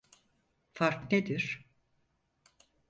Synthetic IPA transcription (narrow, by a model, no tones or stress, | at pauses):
faɾkned̪iɾ̥